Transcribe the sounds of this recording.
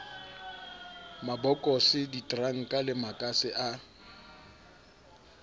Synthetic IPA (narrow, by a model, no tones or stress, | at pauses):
mabɔkʼɔsɪditʼraŋ̩kʼalɪmakʼasɪʔa